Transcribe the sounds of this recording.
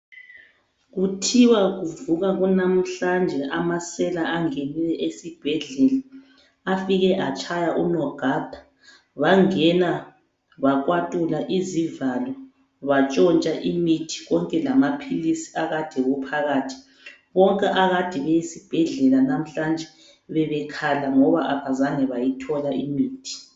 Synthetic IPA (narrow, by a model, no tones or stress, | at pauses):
ɣutʰiwaɣuvuɣaɣunam̩ɬand͡ʒʱɛʔamasɛlaaŋenilɛʔesib̥ʱɛɮɛlaː | fiɣɛʔat͡ʃʼʰajaʔunɔɡ̥ʱad̥ʱa | βaŋɛna | βakʼwatʼulaʔizivalɔ | βat͡ʃʼɔnt͡ʃʼaʔimitʰi̥ɣɔŋkʼɛlamapʰilisi̥aɣad̥ʱɛɣupʰaɣaːtʰi̥ | βɔŋkʼɛʔaɣad̥ʱiβɛjisib̥ʱɛɮɛlanam̩ɬand͡ʒʱɛ | βɛβɛkʰalaŋɔβaʔaβazaŋɛβajitʰɔlaimiːtʰi̥